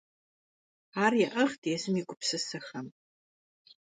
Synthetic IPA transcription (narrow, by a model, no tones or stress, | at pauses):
arjaʔəχtʰʼjasɨmikʷʼʊpʰsɨsaxam